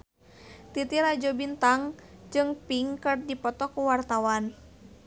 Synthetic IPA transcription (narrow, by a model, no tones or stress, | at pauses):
t̪it̪iɾad͡ʒɔbint̪aŋd͡ʒɨŋpiŋkɨrdipɔt̪ɔkuwart̪awan